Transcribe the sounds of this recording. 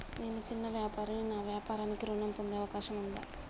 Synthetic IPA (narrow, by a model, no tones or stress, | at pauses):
neːnut͡ʃinːɐʋjaːpaːɾɐminaːʋjaːpaːɾaːnikːiɾuɳɐmpond̪eɐʋɐkaːʃɐmund̪a̰